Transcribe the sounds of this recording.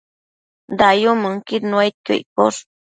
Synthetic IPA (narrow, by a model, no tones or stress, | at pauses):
d̪ajuməŋkiɾnwajt̪̚ko̰poɾ